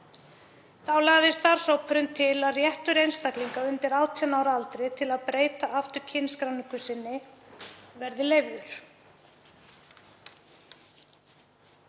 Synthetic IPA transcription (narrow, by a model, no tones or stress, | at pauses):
θawlaːɣðɪst̪aɾ̥sowpʰʏɾʏnt̪ʰɪlaðrjɛht̪ʏɾejnst̪ahkliŋkaʏnt̪ɪɾaːwt̪ʰianaːwɾalt̪ɾɪt̪ʰɪlaðpɾeːjt̪aaft̪ʏɾ̥cʰɪnskɾawnɪŋkʏsɪnːɪ | vɛɾðɪleːjɣðʏɾ̥